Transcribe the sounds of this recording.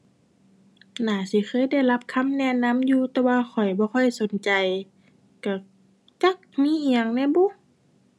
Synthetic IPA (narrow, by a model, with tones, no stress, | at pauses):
naː˨˩si˧˦xʰɤː˧˥˨jda˧˥˨jla˦˥p̚kʰa˧˥˨mnɛ˧˨na˧˥˨mjuː˧t̪ɛː˧waː˧xʰɔ˨˩jbɔː˧˦xɔ˧˩˨jso˨˦nt͡ɕa˨j | ka˧˩ | t͡ɕa˧˥˨k̚miː˧˥˨ʔiː˧˨a˧˨ŋnɛ˧˥˨bu˧˥˨